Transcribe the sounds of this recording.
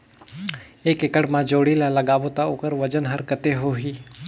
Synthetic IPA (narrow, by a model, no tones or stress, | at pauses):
ekekəɽmãd͡ʒoɽilaləɡaʋot̪aokəɾʋəd͡ʒənɦəɾkət̪eɦoɦi